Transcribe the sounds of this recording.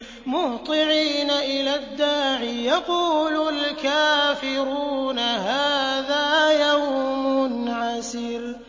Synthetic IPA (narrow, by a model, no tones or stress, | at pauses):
mʊt̪ˤɨʕiːnaʔɪlaːd̪ːaːʕijɑquːlʊlkaːfɪɾuːnahaːðaːjawmʊnʕasɪɾ